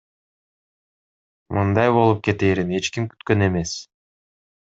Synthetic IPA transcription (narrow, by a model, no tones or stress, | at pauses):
mʔɯnd̪ɑjβo̞lˠup̚ke̞t̪e̞ːɾine̞t͡ʃkimky̥t̪kø̞ne̞me̞s